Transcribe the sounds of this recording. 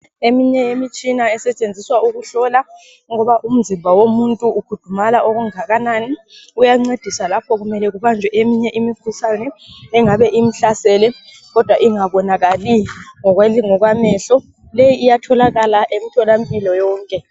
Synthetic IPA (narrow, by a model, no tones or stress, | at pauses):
emiɲɛjemit͡ʃʼinaɛsɛt͡ʃʼend͡zʱiswauɣuɬɔla | ŋɔβaʔum̩zimbʱawomuntʼuːkʰud̥ʱumalaʔoɣuŋaɣananiujaŋ͡ǀed̥ʱisalapʰɔɣumɛlɛɣuβand͡ʒʱwɛʔemiɲɛʔimikʰusanɛːŋaβɛʔim̩ɬasɛlɛ | ɣɔd̥ʱwaʔiŋaβɔnaɣaliŋɔɣwaiŋɔɣwamɛɬɔ | lejiːjatʰɔlaɣalaʔem̩itʰɔlampʼilɔjɔːŋkʼɛ